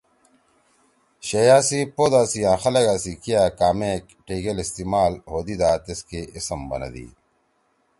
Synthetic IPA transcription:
ɕɐjaːsipoːd̪aːsijãːxɐleɡaːsikijaːkaːmeːk | ʈʰiːɡelist̪iːmaːlɦoːd̪id̪aːt̪eskeʔisɐmbɐ̰nɐ̰d̪ḭː

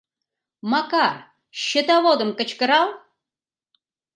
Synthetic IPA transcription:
mɑkar | ʃə̆t̪ɑvod̪ə̆mkə̆t͡ɕkə̆ɾɑlˠ

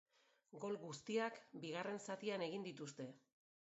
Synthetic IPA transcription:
ɡo̞lɡust̪iakbiɣ̞are̞nsat̪iane̞ɣ̞ind̪it̪ust̪e̞

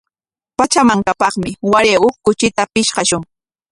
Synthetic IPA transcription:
pat͡ʃamaŋkapɑχmɪwaɾeʊkʊt͡ʃɪt̪apɪʃɢɑʃʊŋ

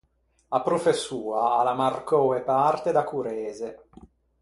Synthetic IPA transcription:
apɾofesːuːaːlamarkɔepart̪ed̪akuɾɛːze

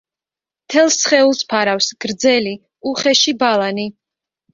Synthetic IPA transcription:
mt̪ʰɛlˠsχɛulˠspʰaɾafsɡ̥ɾd̪zɛli | uχɛʃibalˠani

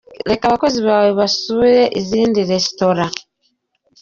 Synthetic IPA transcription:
ɾe̞kaːβako̞ziβaːweβasuiɾe̞ʔiziːndiɾe̞si̥to̞ɾa

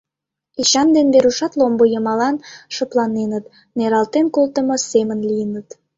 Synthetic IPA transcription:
iɕɑnd̪enbeɾuʃɑt̪lombojəmɑlɑnʃəplɑnenət̪ | neɾɑlt̪enkolt̪əmosemənlijənət̪

